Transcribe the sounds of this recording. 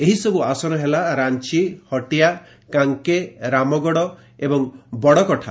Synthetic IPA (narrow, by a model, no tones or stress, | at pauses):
eɦisɔbuasɔnɔɦelaɾaɲt͡ʃihɔʈija | kaŋkeɾamɔɡɔɽɔ | ebɔŋbɔɽɔkɔʈʰa